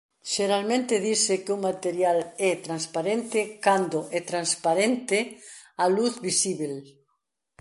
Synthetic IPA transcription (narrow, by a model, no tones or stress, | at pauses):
ʃeɾalmẽnt̪ɪðisɪkeumat̪eɾjalɛt̪ɾanspaɾent̪ɪkand̪oʔɛt̪ɾanspaɾent̪ɪaluθβisiβel